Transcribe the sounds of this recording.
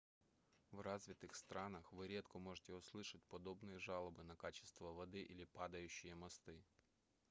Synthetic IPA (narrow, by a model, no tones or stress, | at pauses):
wrɑzʲʋʲit̪ɪxst̪ɾɑnɐxʋɪɾʲɛt̪kɔmɔʒet̪ʲɛʊslˠɪʃɐt̚ʲpɔd̪ɔbnɔjiʒɑlˠɔbɪnɐkɑt͡ʃɪ̥st̪ʋɐʋɔd̪ɪʔilʲipɑd̪ɐjʊt͡ʃːijɛmɐst̪ɪ